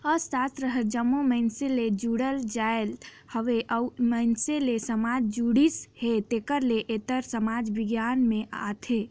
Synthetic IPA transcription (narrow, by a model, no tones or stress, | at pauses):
əsast̪ɾəɦəld͡ʒəmːuməɪnseled͡ʒuɽəld͡ʒael | həʋeʔəuməɪnselesəmad͡ʒd͡ʒuɽishet̪ekəɾleʔet̪əɾsəmad͡ʒbiɡjanmeʔa̰t̪ʰe